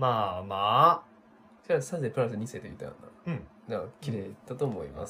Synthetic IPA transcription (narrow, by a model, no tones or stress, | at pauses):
maːma | saɾasaepɯɾasɨɲ̟iset̪ejḭt̪ːa̰jã̰nːã̰nakʲiɾet̪at̪oːmo̰ḭma̰s